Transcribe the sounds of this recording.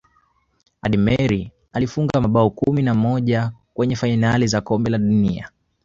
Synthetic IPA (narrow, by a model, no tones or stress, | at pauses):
aɗimɛɾi | alifuŋɡamaɓaɔkuminamɔʄakwɛɲɛfainalizakɔmbɛlaɗunia̰